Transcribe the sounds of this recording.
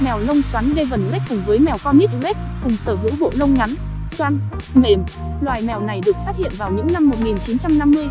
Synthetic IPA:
mɛ˨˩wlə˧wŋ͡mswa˨˦nɗe˧və˨˩nlɛ˦˥k̚kʊ˨˩ŋ͡mvəː˨˦jmɛ˨˩wkɔ˧mi˦˥t̚ɣɛ˦˥k̚kʊ˨˩ŋ͡msəː˧˩vɨ̰˧˥ɓo̰˧˨lə˧wŋ͡mŋa˨˦n | swaː˧n | me˧˩m | lwaː˨˩jmɛ˨˩wna˨˩jɗɨ˨˩ək̚faː˦˥t̚hḭ˧˨ənvaː˨˩wɲɨ̰˧˥ŋna˧mːo˨˩t̚ŋi˨˩nt͡ɕi˨˦nt͡ɕa˧mna˧mːɨ˧əj

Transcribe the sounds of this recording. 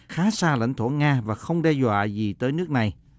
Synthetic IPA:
xaː˨˦saː˧la̰˧˩jŋ̟t̪ʰo˧˩ŋaː˧vaː˨˩xə˧wŋ͡mɗɛ˧zwa̰ː˧˨zi˨˩t̪əː˨˦jnɨ˦˥ək̚na˨˩j

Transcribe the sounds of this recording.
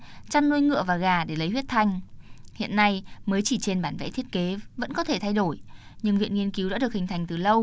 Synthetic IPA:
t͡ɕa˧nːu˧əjŋɨ̰˧˨əvaː˨˩ɣaː˨˩ɗe˧˩lə˨˦jhwi˦˥ət̚t̪ʰa˧jŋ̟hḭ˧˨ənːa˧jməː˨˦jt͡ɕi˧˩t͡ɕe˧nɓaː˧˩nvɛ̰˧˥t̪ʰi˦˥ət̚ke˨˦və̰˧˥nkɔ˨˦t̪ʰe˧˩t̪ʰa˧jɗo˧˩jɲɨ˧ŋvḭ˧˨ənŋi˧ənki˨˦wɗa̰ː˧˥ɗɨ˨˩əhï˨˩ŋ̟t̪a˨˩jŋ̟t̪ɨ˨˩lə˧w

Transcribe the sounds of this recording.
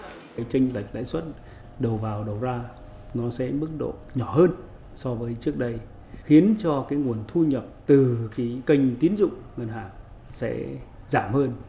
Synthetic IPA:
jt͡ɕə˧ŋ̟la˨˩jk̚la̰ː˧˥jswə˦˥t̚ | ɗə˨˩wvaː˨˩wɗə˨˩wzaː˧ | nɔ˨˦sɛ̰˧˥mɨ˦˥k̚ɗo̰˧˨ɲɔ˧˩ɦəː˧n | sɔ˧vəː˨˦jt͡ɕɨ˦˥ək̚ɗə˧j | xi˨˦ənt͡ɕɔ˧kaː˨˦jŋu˨˩ənt̪ʰu˧ɲə˨˩p̚t̪ɨ˨˩ki˨˦kə˧jŋ̟t̪i˨˦ənzʊ̰˧˨ŋ͡mŋə˨˩nɦaː˨˩ŋ | sɛ̰˧˥ | zaː˧˩mhəː˧n

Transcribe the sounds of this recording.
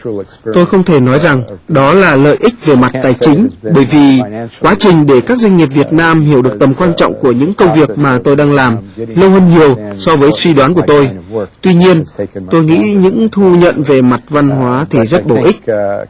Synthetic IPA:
t̪o˧jxə˧wŋ͡mt̪ʰe˧˩nɔ˨˦jza˨˩ŋɗɔ˨˦laː˨˩lə̰ː˧˨jʔï˦˥k̟̚ve˨˩ma˨˩t̚t̪aː˨˩jt͡ɕï˨˦ŋ̟ɓəː˧˩jvi˨˩kwaː˨˦t͡ɕï˨˩ŋ̟ɗe˧˩kaː˦˥k̚za˧jŋ̟ːi˨˩p̚vi˨˩ət̚naː˧mɦi˧˩əwɗɨ˨˩ək̚t̪ə˨˩mkwaː˧nt͡ɕɔ̰˧˨wŋ͡mku˧˩əɲɨ̰˧˥ŋkə˧wŋ͡mvi˨˩ək̚maː˨˩t̪o˧jɗaː˧ŋlaː˨˩mlə˧whə˧nɲi˨˩əwsɔ˧vəː˨˦jswi˧ɗwaː˨˦nku˧˩ət̪o˧jt̪wi˧ɲi˧ənt̪o˧jŋḭ˧˥ɲɨ̰˧˥ŋt̪ʰu˧ɲə̰˧˨nve˨˩ma˨˩t̚va˧nɦwaː˨˦t̪ʰi˨˩zə˦˥t̚ɓo˧˩ʔï˦˥k̟̚

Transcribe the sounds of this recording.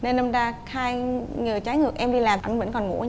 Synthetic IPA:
ne˧nːa˧mzaː˧xaː˧jŋɨː˨˩t͡ɕaː˨˦jŋɨ˨˩ək̚ʔɛ˧mɗi˧laː˨˩ma˧˩ŋvə̰˧˥nkɔ˨˩nŋṵ˧˥

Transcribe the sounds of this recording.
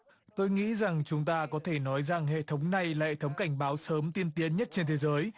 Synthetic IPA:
t̪o˧jŋḭ˧˥za˨˩ŋt͡ɕʊ˨˦ŋ͡mt̪aː˧kɔ˨˦t̪ʰe˧˩nɔ˨˦jza˨˩ŋhḛ˧˨t̪ʰə˨˦wŋ͡mna˨˩jlaː˨hḛ˧˨˩t̪ʰwŋ͡mka˧˩jŋ̟ɓaː˨˦wsəː˨˦mt̪i˧ənt̪i˨˦ənɲə˦˥t̚t͡ɕe˧nt̪ʰe˨˦zəː˨˦j

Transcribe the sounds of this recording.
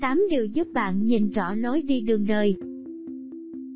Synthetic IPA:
t̪aː˨˦mɗi˨˩əwzu˦˥p̚ɓa̰ː˧˨nɲi˨˩nt͡ɕɔ˧˩lo˨˦jɗi˧ɗɨ˨˩əŋɗəː˨˩j

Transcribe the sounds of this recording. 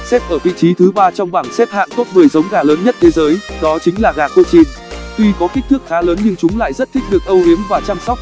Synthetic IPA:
sɛ˦˥p̚ʔəː˧˩vḭ˧˨t͡ɕi˨˦t̪ʰɨ˨˦ɓaː˧t͡ɕɔ˧wŋ͡mɓaː˧˩ŋsɛ˦˥p̚ha̰ː˧˨nt̪o˦˥t̚mɨ˨˩əjzə˨˦wŋ͡mɣaː˨˩ləː˨˦nɲə˦˥t̚t̪ʰe˨˦zəː˨˦jɗɔ˨˦t͡ɕï˨˦ŋ̟laː˨˩ɣaː˨˩xo̰˧˨t͡ɕi˧˩n | t̪wi˧kɔ˨˦ki˦˥k̟̚t̪ʰɨ˦˥k̚xaː˨˦ləː˨˦nɲɨ˧ŋt͡ɕʊ˨˦ŋ͡mla̰ː˧˨jzə˦˥t̚t̪ʰï˦˥k̟̚ɗɨ˨˩ək̚ʔə˧wʔi˨˦ənvaː˨˩t͡ɕaː˧msɔ˦˥k͡p̚

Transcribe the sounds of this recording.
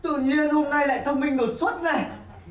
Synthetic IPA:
t̪ɨ̰˧˨ɲi˧ənho˧ŋ͡mŋa˧jla̰ː˧˨jt̪ʰə˧wŋ͡mmï˧ŋ̟ɗo˨˩t̚swə˦˥t̚ʔa˧˩j

